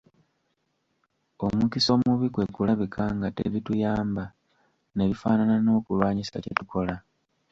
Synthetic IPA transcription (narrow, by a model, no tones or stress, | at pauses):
o̞mukiso̞ːmuβikwe̞kulaβikʰaːŋɡate̞̰βitujaːmba | ne̞βifaːnanano̞ːkulwaːɲisa̰cḛtuko̞la